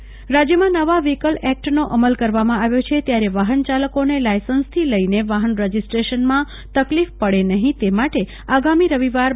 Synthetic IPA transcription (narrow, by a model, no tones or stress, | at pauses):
ɾad͡ʒjəmãnəʋaʋikəlɛk̚ʈnoʔəməlkəɾʋamãaʋjot͡ʃʰet̪jaɾeʋaɦənt͡ʃaləkonelajsənst̪ʰiləineʋaɦənɾəd͡ʒisʈɾeʃənmã | t̪əklifpəɽenəɦĩt̪emaʈe | aɡamiɾəʋiʋaɾ